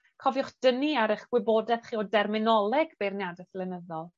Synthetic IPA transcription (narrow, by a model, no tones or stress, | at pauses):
kʰɔvjʊχd̥əniaɾɪχɡ̥wɪbodɛθχiːɔdɛrmɪnɔlˠɛɡ̥b̥ejrnjadɛθlɛnəðɔlˠ